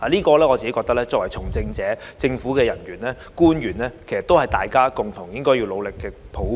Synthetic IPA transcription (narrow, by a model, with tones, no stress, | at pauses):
aː˨liː˥kɔː˧lɛː˥ɔ˨˧t͡si˨e˨˦kɔː˧k̚t̪ɐ˥lɛː˥t͡sɔː˧kwɐ˨˩jt͡sʰʊ˨˩ŋt͡sɪ˧ŋt͡sɛː˨˥t͡sɪ˧ŋfuː˨˥kɛː˧jɐ˨˩njyː˨˩nlɛː˥ | kuː˥njyː˨˩nlɛː˥kʰe˨˩jsɐ˨t̪whɐ˨jt̪aː˨jkaː˥kʊ˨ŋt̪ʰʊ˨˩ŋjɪ˥ŋkɔː˥ji˧wlo˨˧wlɪ˨kːɛː˧ | pʰo˨˥